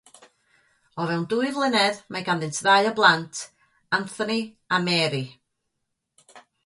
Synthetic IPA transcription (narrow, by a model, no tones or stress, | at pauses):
ɔvɛwnduɨðlˠɪnɛðmaɡanðɪntʰðajɔblˠantʰ | anθɔni | amɛːɾi